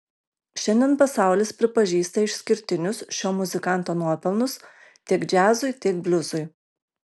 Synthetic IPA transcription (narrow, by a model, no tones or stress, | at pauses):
ʃʲɛnʲd̪ʲɛnpɐsɑˑʊlʲɪspʲɾʲɪpɐʒʲiːst̪ɐɪʃʲsʲkʲɪɾʲt̪ʲɪnʲʊsʃʲoːmʊzʲɪkɐnˑt̪oːnuɔpʲɛlˠˑnʊs | t̪ʲiɛkd͡ʒʲæːzʊɪt̪ʲiɛk̚bʲlʲʊzʊɪ